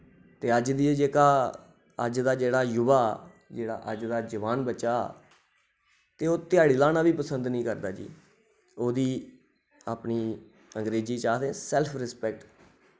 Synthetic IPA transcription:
t̪eːəd͡ʒd̪iːed͡ʒeːkaː | ə̰d͡ʒd̪aːd͡ʒeːɽaːjʊbaː | d͡ʒeːɽa̰ːʔəd͡ʒd̪aːd͡ʒəʋaːnbət͡ʃaː | t̪eːoːt̪ɪjaːɽiːlaːnaːʋiːpəsənd̪nĩːkəɾd̪aːd͡ʒḭː | oːd̪iː | aːpniː | əŋɡɾeːd͡ʒiːt͡ʃaːd̪ẽːsɛːlpʰɾɪspɛkʈ

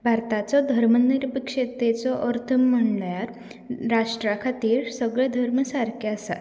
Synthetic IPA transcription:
bʱaɾt̪at͡sɔd̪ʱəɾməniɾbəkʂet̪et͡sɔʔəɾt̪ʰəmːəɳɖjaɾ | ɾaʂʈɾakʰat̪iːɾsəɡɭɛd̪ʱəɾməsaɾkʰaasa̰

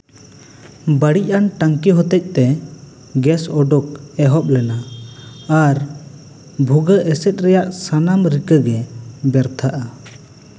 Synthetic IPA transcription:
bəɽic̚anʈaŋkiɦɔt̪ɛc̚ˀt̪ɛ | ɡɛsɔɖɔkɛɦɔp̚lɛna | aɾ | bʱuɡəʔɛsɛt̪̚ˀɾɛjaʔsanamɾikəɡɛbɛɾt̪ʰaʔa

